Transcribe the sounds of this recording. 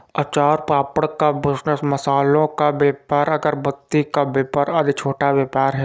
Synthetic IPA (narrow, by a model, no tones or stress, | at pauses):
ɐt͡ʃaːɾpɾaːpəɽkabɪsnəsmɐsaːlõkabeːpəɾɐɡəɾbɐt̪ːikabeːpəɾɐd̪t͡ʃʰoːʈaʋjɐːpaːɾɦɛː